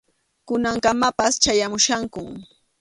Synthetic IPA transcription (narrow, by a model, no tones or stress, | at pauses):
kʊnaŋkamapast͡ʃajamʊʃaŋkʊm